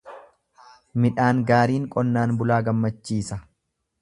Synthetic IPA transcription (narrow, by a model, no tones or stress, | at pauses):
mɪᶑaːŋɡaːɾiːŋkʼɔnːaːnbʊlaːɡɐmːɐt͡ʃːiːsɐ